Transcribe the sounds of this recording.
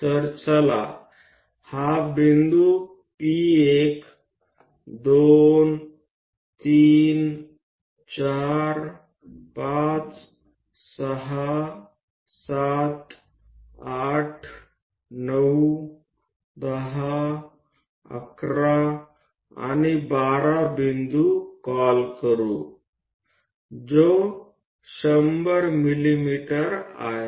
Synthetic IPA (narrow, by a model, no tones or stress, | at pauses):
t̪əɾt͡səla̰ | habind̪u | piek | d̪on | t̪iːn | t͡ɕaɾ | pat͡s | səɦa | sat̪ | aʈʰ | nəw | d̪əɦa | ə̰kɾa | a̰nibaɾabind̪ukɔlkəɾu | d͡zo | ɕəmbəɾmilimiʈəɾa̰ɦe